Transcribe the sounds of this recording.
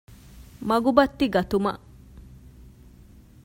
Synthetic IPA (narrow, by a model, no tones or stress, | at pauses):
mɐɡubɐt̪ːiɡɐt̪umɐ̰ʔ